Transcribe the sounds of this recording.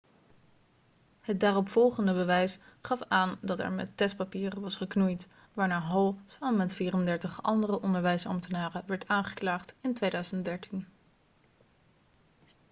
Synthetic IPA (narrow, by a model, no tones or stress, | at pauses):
ɦəd̚daːrɔpfɔlˠχəndəbəʋɛjsχɑfaːndɑtɛ̰ɹmɛ̰tɛst̚papiːrənʋɑsχəknujt | ʋaːɹnaːɦowˠsaːəmɛtfiːrəndɛɹtəχʔɑ̰ndərəʔɔndəɹʋɛjsɑ̰mtənaːrəʋɛɹtaːnχə̥klaːχtɪntʋejdœɥzəntdɛɹtin